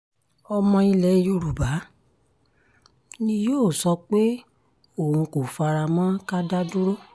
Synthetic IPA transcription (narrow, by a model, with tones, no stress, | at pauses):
ɔ˧mɔ̃˧i˧lɛ˨˦˧jo˧ɾu˨ba˨˦ | nĩ˦joː˦˨sɔ˧k͡pe˦ | o˦˨ũ˧ko˨fa˧ɾa˧mɔ̃˦ka˦da˦dũ˦ɾo˦